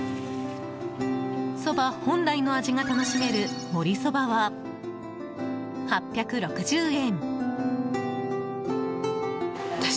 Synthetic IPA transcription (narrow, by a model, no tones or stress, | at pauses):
so̞bahõ̞nd̪aino̞aʑiŋat̪ano̞ɕime̞ɾɯ̟mo̞ɾʲiso̞baβa | hapʲjakɯ̟ɾo̞kɯ̟ʑɨːẽ̞n | t̪a